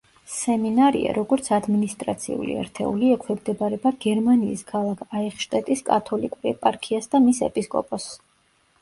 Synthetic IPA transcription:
sɛminaɾḭa̰ɾɔɡɔɾt̪sʰad̪minist̪ʼɾat̪sʰḭṵlḭɛ̰ɾt̪ʰɛ̰uliɛkʰwɛmd̪ɛbaɾɛbaɡ̥ɛɾmaniːskʰalˠakʰaɛχʃt̪ʼɛt̪ʼiskʼa̰t̪ʰɔlikʼuɾɛpʼaɾkʰiasd̪amisɛ̰pʼiskʼɔ̰pʼɔs

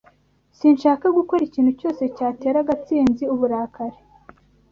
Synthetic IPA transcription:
siːnʃaːkaɡuko̞ɾiciːnhuco̞ːse̞caːte̞ːɾaɡat͡siːnziuβuɾaːkaɾe

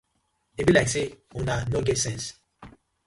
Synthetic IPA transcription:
ebilaɪkseunanoɡɛtsɛ̃ns

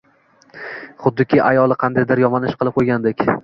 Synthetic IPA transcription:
χʊd̪ːɪkʲʰɪʔajɒlˠɪqʰɑnd̪ajd̪ɪɾjɒmɒnɪʃqʰɨlˠɪp̚qʰojɡʲand̪ekʲ

